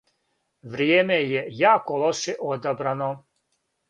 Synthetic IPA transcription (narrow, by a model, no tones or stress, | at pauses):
ʋɾjeːmejejaːkoloʃeʔod̪abɾano